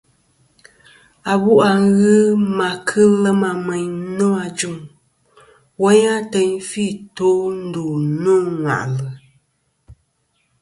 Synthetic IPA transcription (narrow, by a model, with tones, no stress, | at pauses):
a˨bu˦ʔa˨ŋ˦ɣɨ˦ma˨kʰɨ˦lɛ˦ma˨mɛ˨ɲnɔ˦a˨d͡ʒu˦˨ŋ | wɔ˦ɲa˦tɛ˦ɲfi˦˨to˨˦n̩˦do˨no˦˨ŋa̰˨ʔlɨ˨